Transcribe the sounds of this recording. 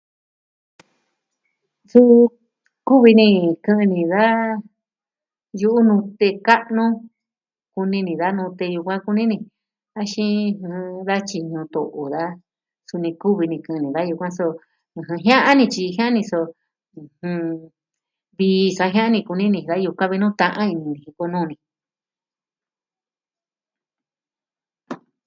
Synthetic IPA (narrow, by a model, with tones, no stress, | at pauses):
su˦ | ku˦βi˧nĩ˧kɨ̃˧nĩ˧ða˦ | ju˧ʔu˦nũ˧t̪e˧ka˦ʔnũ˦ | ku˧nĩ˧nĩ˧ða˦nũ˧t̪e˧ju˧kʷã˦ku˧nĩ˦nĩ˧ | a˧ʃĩ˦˧hɨ̃˧ða˦t͡ʃi˧nũ˧t̪o̰˧˨ʔo˨ða˦ | su˧nĩ˧ku˦βi˧nĩ˧kɨ̃˧nĩ˨ða˦ju˧kʷã˦sõ˧˨ | ɦɨ̃˧ɦjã˦ʔa˦nĩ˧t͡ʃi˧ɦj̃ã˦ʔa˦nĩ˧sõ˧ | hɨ̃˧ | βi˧sa˧˦ɦjã˦ã˦nĩ˧ku˧nĩ˦nĩ˧˨ða˦ju˧kʷã˦βi˧nũ˦t̪ã˧ʔã˦i˧nĩ˧nĩ˨ĩ˧ko˧nũ˦˧nĩ˧